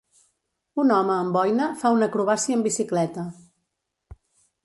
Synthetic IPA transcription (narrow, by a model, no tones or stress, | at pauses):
unɔməːmbɔjnəfaunəkɾuβasiəmbisiklɛt̪ə